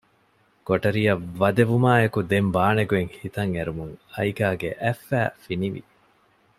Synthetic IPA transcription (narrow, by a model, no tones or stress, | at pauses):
koʈɐɾijɐʋɐd̪eʋumaːekud̪embaːneɡueŋhit̪ɐŋeɾumuŋɐjɡaːɡḛʔæfːæːfiniʋḭ